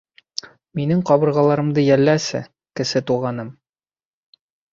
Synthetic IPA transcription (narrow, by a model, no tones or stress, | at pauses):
minɘŋqɒbɤ̆ɾʁɑlˠɑɾɤ̆md̪ɤjælːæsɘ̰ | kɘ̆sɘt̪uʁɑnɤm